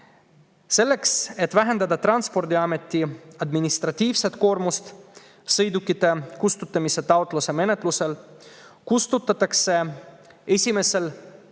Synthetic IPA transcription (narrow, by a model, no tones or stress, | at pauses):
se̞lːe̞kse̞t̪ːvæɦe̞nd̪ɑd̪ɑt̪rɑnspo̞rd̪iɑme̞t̪ːˑiɑd̪minist̪rɑt̪ːiːvse̞t̪ˑko̞ːɾmust̪ | sɤjd̪ukːˑit̪ːekust̪ut̪ˑːɑmise̞t̪ɑowt̪ˑluse̞me̞ne̞t̪ˑluse̞l | kust̪ut̪ːˑɑt̪ːˑɑkse | e̞sʲime̞se̞l